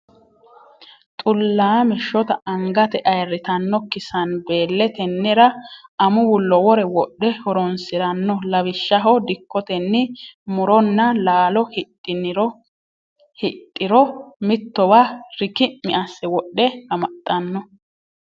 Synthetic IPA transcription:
t̪ʼʊlːaːmɪʃːɔt̪ɐʔɐŋɡɐt̪ɛʔɐjrːɪt̪ɐnːɔkɪsɐnbe̞ːlːɛt̪ɛnːɪɾɐɐmʊwʊlːɔwɔɾɛwɔɗːɛhɔɾɔnsɪɾɐnːɔlɐβɪʃːɐɦɔd̪ɪkːɔt̪ɛnːɪmʊɾɔnːɐlaːlɔhɪt̪ʼːɪnɪɾɔ | hɪt̪ʼːɪɾɔmɪt̪ːɔbaɾɪkɪmɪʔɐsːɛwɔɗːɛhɐmɐt̪ʼːɐnːɔ

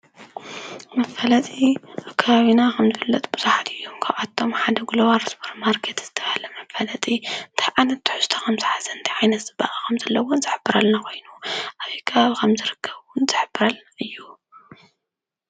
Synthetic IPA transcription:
mɐfɐlɐt̪ʼiʔaβkʰɐβaβinakʰɐmzɨɨfɨlːɐt̪ʼbɨz̥uħat̪ʰɨjːomkʰaβʔat̪ʰːo̞mħad̪ɐɡulowaɾsboɾmaɾkʰet̪z̥ɨt̪ʰɐβahlɐmɐfɐlɐt̪ʼint̪ʰɨ̥ʕanɐt̪ːɨ̥ħu̥zt̪ʰɐ̥xʰɐmzɨħazɐnt̪ʰiʕajnɐt̪zɨbːaʔʼakʰɐmzɐlːɐwonzɨħɨbːɨɾalnakʰo̞jnuʔaβjikʰɐβaβikʰɐmzɨɾɨkʰːɐβwʊnzɨħɨbːɨɾalnaʔɨjːu

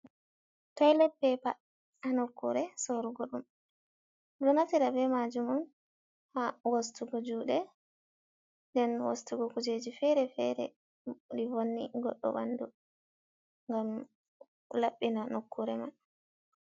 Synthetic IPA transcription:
tɔjlɛbːɛpa̰ | anokːuɾɛsɔɾuɡɔɗum | ɗɔnatiɾabɛmad͡ʒumɔn | hawostuɡɔd͡ʒuːɗɛ | ndɛnwo̰stuɡɔkud͡ʒed͡ʒifɛɾɛfɛ̰ɾɛ̰ | ɗivonːiɡɔ̰ɗːɔ̰ba̰ndu | ŋɡam | laɓːinanokːuɾɛman

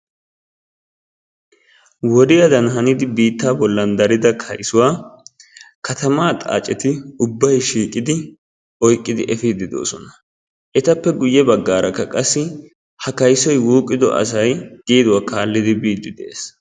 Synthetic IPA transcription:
wɔd̪ɪɐd̪ɐnɦɐnɪd̪ɪbiːt̪ːaːbɔlːɐnd̪ɐɾɪd̪ɐkʰɐjsʊwaː | kɐt̪ɐmaːt̪ʼa̰ːt͡ʃʼɛt̪ɪʊbːɐjʃiːkʼːɪd̪ɪ | ʔɔjkʼːɪd̪ɪʔɛfiːd̪ɪd̪o̞̰ːsɔnɐ̥ | ʔɛt̪ɐpːɛɡʊjːɛbɐɡːaːɾɐkːɐkʼɐsːɪ | hɐkɐjsɔjwuːkʼːɪd̪ɔ̰ʔɐ̰sɐjɡ̥iːd̪ʊwaːkaːlːɪd̪ɪbiːd̪ːɪd̪ḛːs

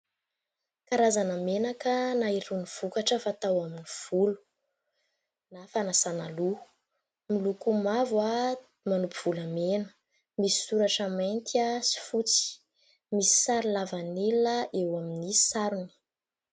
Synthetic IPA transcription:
kaɾazanəmenakənaiɾuniv̥ukaʈ͡ʂəfat̪awaminiv̥ulu̥ | nafanasanalu | milukumavwa | manupiv̥uləmenə̥ | misi̥suɾaʈ͡ʂəmajnt̪iasi̥fut͡si̥ | misi̥saɾilavanilaʔewaminisaɾuni̥

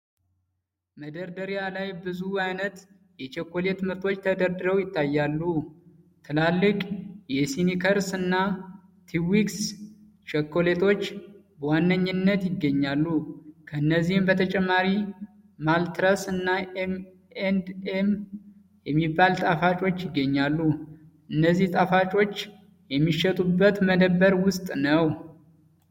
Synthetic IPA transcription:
məd̪əɾd̪əɾijalajbɨzuajnət̪ | jɛt͡ʃʰekːo̞le̞t̪mɨɾt̪ʰo̞t͡ʃːt̪ʰəd̪əɾd̪ɨɾəwjɪt̪ʰːajːalːu | t̪ʰɨlalːɨkʼjɛsinikʰəɾsɨnːa | t̪ʰiwiks | t͡ʃekːo̞le̞t̪ʰo̞t͡ʃːbəwanːəɲːɨnːət̪jɪɡːəɲːalːukʰəɨnːəzːihɨmbət̪ʰət͡ʃʼɛmːaɾi | malt̪ɾəsɨnːaem | end̪em | jɛmːibːalt̪ʼafat͡ʃʼo̞t͡ʃːjɪɡːəɲːalːu | ʔɨnːəzːiht̪ʼafat͡ʃʼo̞t͡ʃː | jɛmːiʃɛt̪ʼubːət̪məd̪əbːəɾwʊst̪ʼnəw

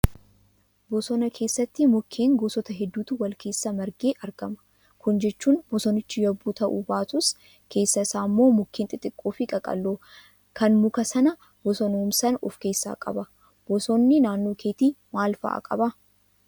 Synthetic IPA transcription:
bɔsɔnɐkʰe̞ːsːɐt̪ːɪmʊkʰːeːŋɡoːsɔt̪ɐɦɛd̪ːuːt̪ʊwɐlkʰe̞ːsːɐmɐɾɡe̞ːʔɐɾɡɐmɐ̥ | kʊnd͡ʒɛt͡ʃːuːnbɔsɔnɪt͡ʃːɪjɐbuːt̪ɐʔṵbaːt̪ʊs | kʰe̞ːsːɐɪsaːmːo̞ːmʊkʰːent̪ʼɪt̪ʼːɪkʼːoːfɪkʼɐkʼɐ̰lːoː | kɐnmʊkɐsɐnɐ | b̥ɔsɔnoːmsɐnɔ̰fke̞ːsːa̰ːkʼɐ̰bɐ | b̥ɔsɔnːɪnaːnːoːkʰe̞ːt̪iːmaːlfɐ̰ʔa̰ːkʼɐ̰bɐ

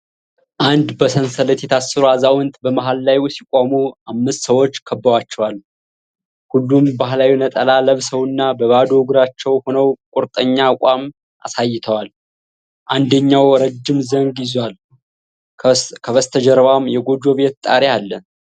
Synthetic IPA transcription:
ʔand̪bəsənsələt̪jɛt̪ʰasːɨɾuazawɨnt̪bəmaɦalːajsikʼomuamːɨst̪səwo̞t͡ʃːkʰəbːəwat͡ʃːɛwal | hulːumbaɦlawinət̪ʼəlaləβsəwɨnːabəβad̪oɡɾat͡ʃːɛwhonəwkʼʊɾt̪ʼəɲːaːkʷʼam | ʔa̰sajːɪt̪ʰəwal | ʔand̪əɲːawɾəd͡ʒːɪmzəŋɡjɪzwal | kʰəβəst̪ʰəd͡ʒɛɾβamjɛɡo̞d͡ʒo̞βet̪t̪ʼaɾialːə

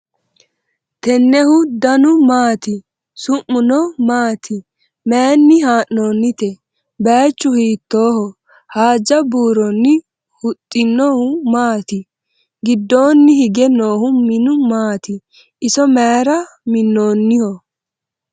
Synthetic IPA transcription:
t̪ɛnːɛhʊd̪ɐnʊmaːt̪ɪ | sʊʔːʊnɔmaːt̪ɪ | meːnːɪhaːʔːo̞ːnːɪt̪ɛ | beːt͡ʃːʊhiːt̪ːo̞ːhɔ | haːd͡ʒːɐbuːɾɔnːɪ | hʊt̪ʼːɪnːoːhʊmaːt̪ɪ | ɡɪd̪ːo̞ːnːɪhɪɡɛno̞ːhʊmɪnʊmaːt̪ɪ | ʔɪsɔmeːɾɐ | mɪnːo̞ːnːɪhɔ

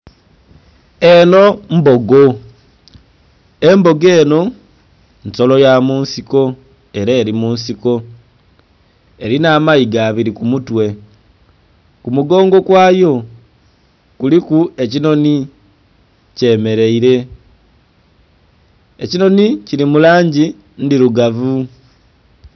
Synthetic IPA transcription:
e̞no̞mbo̞ɡo | embo̞ɡe̞ːno̞ | nso̞lo̞jamuːnsiko̞ | e̞ɾaːɾimuːnsiko̞ | eɾinaːmaiɡaβiɾikumutwe̞ | kumuɡo̞ːŋɡo̞kwaːjo̞ | kulikue̞cino̞ni | ce̞ːme̞ɾe̞iɾe̞ | ecino̞niciɾimulaːɲɟi | ndiɾuɡavu

